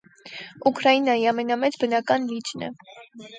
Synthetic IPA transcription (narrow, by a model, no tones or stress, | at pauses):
ukɾɑjinɑjiɑmɛnɑmɛt͡sbənɑkɑnlit͡ʃnə̰